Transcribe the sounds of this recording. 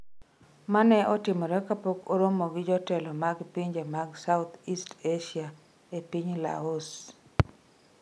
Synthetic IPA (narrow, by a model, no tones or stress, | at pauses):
manɛʔɔtɪmɔɾɛkapokoɾomoɡɪd͡ʒɔtɛlɔmaɡpiɲd͡ʒemaɡsaʊt̪ʰisteʃia | epiɲla̰os